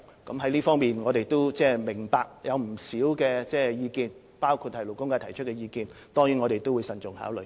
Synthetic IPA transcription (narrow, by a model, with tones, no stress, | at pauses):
kɐ˨˥mɦɐ˥jliː˥fɔː˥ŋmiː˨nŋɔː˨˧ɾe˨jt̪o˥wt͡sɛː˥mɪ˨˩ŋpaː˧k̚jɐ˨˧wm̩˨˩siː˨˥wkɛː˧t͡sɛː˥jiː˨˧kiː˧n | paː˥wkʰu˧t̚hɐ˨jlo˨˩wkʊ˥ŋkaː˧t̪ʰɐ˨˩jt͡ʃʰɵ˥kɛ˧jiː˧kiː˧nt̪ɔː˥ŋjyː˨˥ŋɔ˨˧ɾe˨jt̪o˥wu˨˧jsɐ˨nt͡sʊ˨˩ŋha̰ː˨˥wlɵ̰˨j